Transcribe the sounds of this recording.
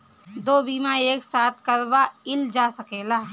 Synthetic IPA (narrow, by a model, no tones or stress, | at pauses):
d̪oːbiːmãeːksaːt̪̚ʰkɐɾbaɪld͡ʒaːsɐkeːlaː